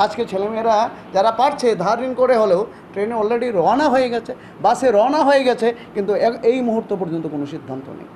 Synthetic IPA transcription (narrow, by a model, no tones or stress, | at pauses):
ad͡ʑket͡ɕʰelemeɾa | d͡ʑaɾapaʈt͡ɕʰed̪ʱaɾɾinkoɾeɦolew | ʈɾeneɔlɾeɖiɾɔanaɦoeɡɛt͡ɕʰe | baseɾɔanaɦojeɡɛt͡ɕʰekint̪uejmuɦut̪ːopɔɾd͡ʑont̪okonoʃid̪ʱːant̪o̰nḛj